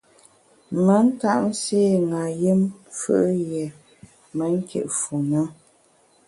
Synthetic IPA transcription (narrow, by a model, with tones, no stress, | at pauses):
mə˨˦n̩˦ta˦ʔn̩˦seː˦ŋa˨ji˦mfə̰˦ʔjɛ˨ | mə˨˦ŋ̩˦kʰḛ˨ʔfu˨nə˦